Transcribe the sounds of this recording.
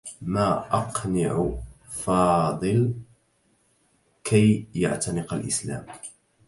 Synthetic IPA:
maːʔɑqnɪʕʊ | fɑːd̪ˤɨl | kʰajja̰ʕt̪anɪqalʔɪsla̰ːm

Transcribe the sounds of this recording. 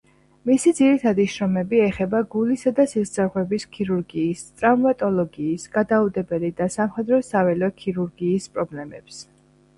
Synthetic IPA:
misid̪ziɾit̪ʰad̪iʃɾɔmɛbiɛχɛbaɡulisad̪asisd̪zaɾʁwɛbiskʰiɾuɾɡiːst̪ʼɾavmat̪ʼɔlˠɔɡiːsɡ̥ad̪aud̪ɛbɛlid̪asamχɛd̪ɾɔsavɛlɔkʰiɾuɾɡiːspʼɾɔblɛmɛps

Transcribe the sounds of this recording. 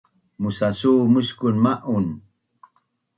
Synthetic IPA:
musasumuskunmaʔun

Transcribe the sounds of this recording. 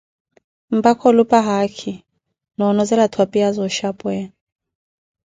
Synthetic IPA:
m̩bakʰɔlupʼaɦakʰi | nɔnɔzɛlatʰwapʼiazɔʃapʼwɛːn

